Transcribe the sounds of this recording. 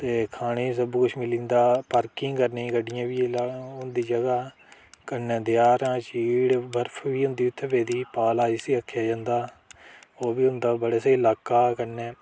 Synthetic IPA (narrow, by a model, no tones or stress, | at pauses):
t̪eːkʰaːɽ̃eːsəbkʊt͡ʃʰmɪlĩːnd̪aːpəɾkĩːŋkəɾnẽːɡəɖɪjãːʋiːlaɦʊ̃nd̪iːd͡ʒəɡaː | kənɛːd̪ɪjaːɾãːt͡ʃiːɽbəɾpʰʋiːɦʊ̃nd̪iːʊt̪ʰːʋeːd̪iːpaːlaːiːsiːəkʰːjaːd͡ʒãːnd̪aː | oːbiːɦʊ̃nd̪aːbəɽeːseːɪlaːkaːkəneː